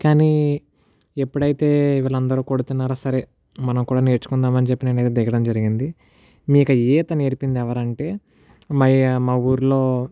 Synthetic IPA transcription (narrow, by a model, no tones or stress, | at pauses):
kaːni | epːuɽɐjt̪e̞ːiʋaːlɐnd̪ɐɾuːkoɽut̪unːaːɾoːsɐɾe̞ː | mɐnɐmkuːɽaːneːɾt͡ʃu̥kund̪aːmɐnit͡ʃepːineːnɐjt̪eːd̪iɡɐɽɐmd͡ʒɐɾiɡind̪i | miːkɐeːt̪ɐneːɾipind̪ɛʋɐɾɐɳʈe̞ː | mɐmɐwuːɾlo̞ː